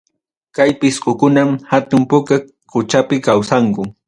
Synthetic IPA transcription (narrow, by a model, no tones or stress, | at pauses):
kajpɪsqʊkʊnamhat̪ʊmpʊka | kʊt͡ʃapɪkawsaŋkʊ